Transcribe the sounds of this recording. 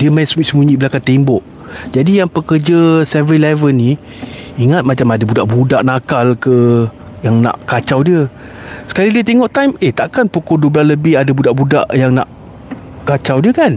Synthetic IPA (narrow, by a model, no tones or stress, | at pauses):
diəmanssəmuɲiʔbəlakant̪embɔʔ | d͡ʒadijaŋpəkərd͡ʒəsɛvilɛvəni | iŋat̪̚mat͡ʃamadabudaʔbudaʔnakalkə | jaŋna̰ʔkat͡ʃawdiə | sə̥kalidiət̪eŋɔʔt̪ajmeht̪aʔkanpokɔduəblasləbɪhadabudaʔbuda̰ʔjaŋna̰ʔ | kat͡ʃawdiəkan